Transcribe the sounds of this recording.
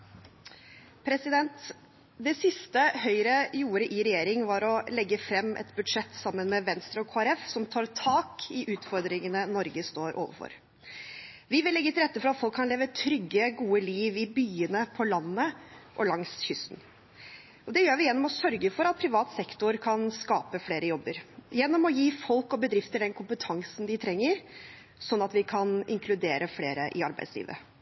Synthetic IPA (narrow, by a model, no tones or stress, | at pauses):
pʰɾɛsɪd̪ɛnt̪ | d̪ɛsɪst̪əhœʏɾəjuːɾəʔɪɾɛjeːɾɪŋʋɑɾɔlɛɡːəfɾɛmːʔɛ̰t̪bʉd̪ʂɛt̪ːsɑmːənmɛʋɛnst̪ɾəɔkʰoːɛɾɛfsɔmt̪ʰɑːɾt̪ʰɑːkʰɪʔʉːt̪fɔɾd̪ɾɪŋənənɔɾɡəst̪oːɾʔo̰ːʋə̰ɾfɔ̰ɾ | ʋɪʋɪlɛɡːət̪ɪɾɛt̪ːəfɔɾɑt̪fɔlkʰːɑnleːʋət̪ʰɾʏɡːəɡuːəliːʋɪbyːənəpʰɔlɑnːəʔɔlɑŋsçʏst̪n̩ | ʔɔd̪ɛjøːɾʋɪjɛnːɔmɔsœɾɡəfɔɾɑt̪̚pʰɾɪʋɑːt̪sɛkt̪ʊɾkʰɑnskɑːpəfleːɾəjɔbːəɾjɛnːɔmɔjiːfɔlkɔbəd̪ɾɪft̪əd̪ɛnkʰʊmpət̪ʰɑŋsn̩d̪ɪt̪ʰɾɛŋːəɾ | sɔnːɑt̪ʋɪkʰɑnɪŋkʰlʉd̪eːɾʔəfleːɾəʔɪɑɾbæɪd̪slḭːʋə̰